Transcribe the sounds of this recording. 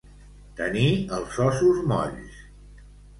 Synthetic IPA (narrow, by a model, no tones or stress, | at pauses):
t̪əniəlˠsɔsuzmɔ̰ʎs